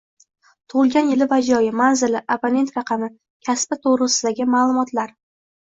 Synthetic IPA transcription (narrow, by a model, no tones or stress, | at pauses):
t̪ʰʊʁʊlˠɡʲanjɪlɪvad͡ʒɒjɪmanzɪlɪʔapone̞nt̪ɾɑqʰɑmɪ | kʲʰaspɪt̪ʰoʁɾɨsɪd̪aɡʲɪmaːlˠʊmɒt̪laɾ